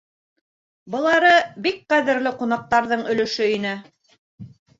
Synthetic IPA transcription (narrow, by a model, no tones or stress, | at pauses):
bɤ̆lˠɑɾɤbik̚qæðɘ̆ɾlɘqunɑq̚t̪ɑɾðɤɴɵ̆lɵ̆ʃɵinɘ